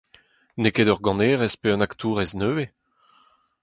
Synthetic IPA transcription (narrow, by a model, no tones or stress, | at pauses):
nekedœʁɡɑ̃neːʁɛspeɑ̃nakt̪ʰuːʁɛznøːe